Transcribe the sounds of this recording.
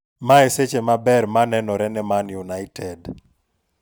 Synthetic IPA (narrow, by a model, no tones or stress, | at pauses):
maeset͡ʃemabɛɾmanɛnɔɾɛnɛmanjunaɪtʰɛd